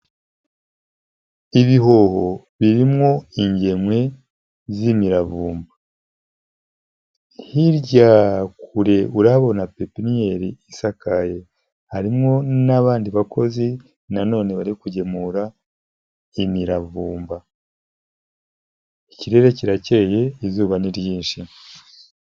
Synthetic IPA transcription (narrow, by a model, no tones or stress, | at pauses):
iβiɦo̞ho̞ | βiɾimŋo̞iɲɟe̞mwe̞ | zimiɾavuːmba | hiɾɟaːkuɾe̞uɾaβo̞napepinijeɾiisakaje̞ | haɾimŋo̞naβaːndiβakʰo̞zi | nano̞ːne̞βaɾikuɟe̞muɾa | imiɾavuːmba | iciɾe̞ɾe̞ciɾaceje̞izuːβaniɾjiːnʃi